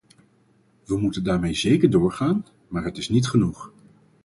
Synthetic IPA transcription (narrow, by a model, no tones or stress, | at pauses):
ʋəmutəndaːɹmejzejkəɹdʊːɹχaːn | maːɹɦətɪsnitχənuχ